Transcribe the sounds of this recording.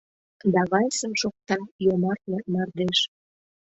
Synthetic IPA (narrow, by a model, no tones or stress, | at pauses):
d̪ɑβɑjsəmʃok̚t̪ɑjomɑrt̪lɑnɑrd̪eʃ